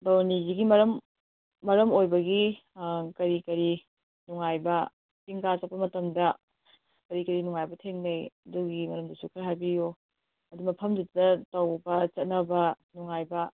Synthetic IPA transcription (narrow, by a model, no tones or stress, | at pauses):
dawniziɡimɐɾɐmː | ɐɾɐmojbɐɡi | kɐɾikɐɾi | nuŋajbɐ | piŋkasɐt̚pːɐmɐtɐmdɐ | kɐɾikɐɾinuŋajbɐtʰeŋnejɐduɡimɐɾɐmdɐsukʰɐɾɦajbijo | ɐdumɐpʰɐmdutdɐtɐwbɐt͡ʃɐt̚nɐbɐ | nuŋajbɐ